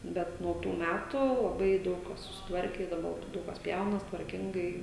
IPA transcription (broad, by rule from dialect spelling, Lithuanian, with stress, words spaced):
ˈbʲɛt nuɔ ˈtuː ˈmʲætʊ lˠɐˈbɐɪ ˈdɐʊk kɐs sʊsʲɪtˈʋɐrʲkʲɛ ɪ dɐˈbɐ ˈdɐʊk kɐs ˈpʲjɛʊnɐs tʋɐrʲˈkʲɪŋɡɐɪ